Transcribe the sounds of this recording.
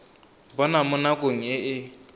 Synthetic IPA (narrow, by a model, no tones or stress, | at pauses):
bɔnamʊnakʼoŋ̩ɪʔɪ